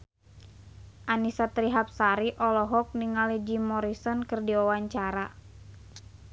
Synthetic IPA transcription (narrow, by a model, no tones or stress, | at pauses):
ʔanisat̪ɾiɦap̚saɾiʔɔlɔɦɔk̚niŋalɛd͡ʒimɔɾisɔnkɨrdiɔwaɲt͡ʃaɾa